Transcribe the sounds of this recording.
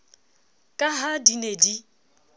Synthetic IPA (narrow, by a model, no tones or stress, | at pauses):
kʼaɦadinedi